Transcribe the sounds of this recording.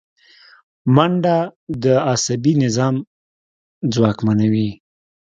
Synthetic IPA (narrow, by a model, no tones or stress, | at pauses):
maɳɖad̪əasabinɪzɑm | d͡zwɑkmanawi